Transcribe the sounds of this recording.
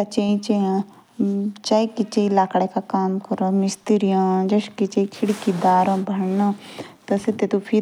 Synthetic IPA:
at͡ʃeĩt͡ʃeãː | t͡ʃaːikɪt͡ʃeilaːkɽeːkaːkaːmkəɾoːmɪst̪iɾijãːd͡ʒəʃkit͡ʃeikʰɪɽkiːd̪aːɾõːbʱəɳnãːt̪ɐsɪt̪eːt̪ũpʰi

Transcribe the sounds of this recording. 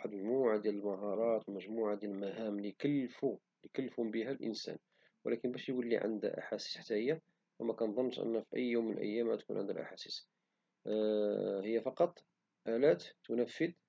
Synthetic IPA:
ħd̪məʒmuʕad̪jæləlmæɦɑɾˤɑt̪wəməʒmuʕad̪jæləlmæɦæmlikəlːfu | likəlːəfhʊmbəɦælʔə̰nsæ̰n | wə̰lækənbæʃjɡəlːḭʕə̰nd̪æ̰ʔa̰ħasi̥sħt̪æʔəjːa | wəmækɑnd̪ˤɑnːʃʔə̰nːæfiʔə̰jːumːənə̰ʔə̰jːæmæ̰t̪kṵnʕə̰nd̪ə̰lʔa̰ħasi̥s | həjːæfɑqɑt̪ˤ | ʔælæt̪t̪ːʊnəfːəd̪

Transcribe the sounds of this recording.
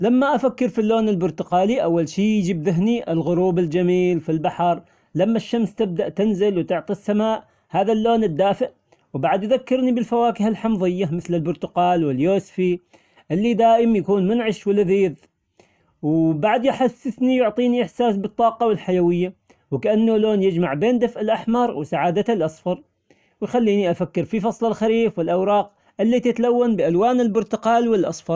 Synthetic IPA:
lamːaʔafakːɪɾfilːoːnɪlbʊɾt̪ʊqɑːliʔawːalʃiːjd͡ʒiːbðɪɦniʔɪlɣʊɾuːbɪld͡ʒamiːlfilbaħɑɾˤ | lamːaʃːamst̪ɪb̚d̪aʔt̪ɪnzɪlwt̪ʊʕt̪ˤisːamaːʔ | haːðalːoːnɪd̪ːaːfɪʔ | wbaʕd̪jðakːɪɾnibɪlfawaːkɪhalħɑmðˤɪjːamɪθlɪlbʊɾt̪ʊqɑːlwɪljoːsfi | ʔɪlːid̪aːʔɪmjakuːnmʊnʕɪʃwɪlːaðiːð | wbaʕd̪jħasːɪθnijʊʕt̪ˤiːniʔɪħsaːsbɨt̪ˤːɑːqɑwɪlħajawɪjːa | wɪkaʔanːʊloːnjɪd͡ʒmaʕbeːnd̪afʔɪlʔaħmɑɾˤwɪsaʕaːd̪aalʔɑsˤfɑɾˤ | wɪjxalːiːniʔafakːɪɾfifɑsˤlalxaɾiːfwɪlʔawɾˤɑːq | ʔɪlːit̪ɪt̪lawːanbɪʔalwaːnɪlbʊɾt̪ʊqɑːlwɪlʔɑ̰sˤfɑɾˤ

